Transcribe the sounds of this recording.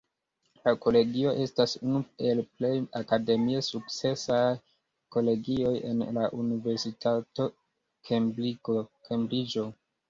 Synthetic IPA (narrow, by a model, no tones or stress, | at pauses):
lako̞le̞ɡio̞ʔe̞stasunue̞lple̞jakade̞miesuk̚t͡se̞saj | ko̞le̞ɡio̞je̞̰nlaʔunive̞ɾsitʰato̞ | kʰembɾiko̞kembɾid͡ʒo̞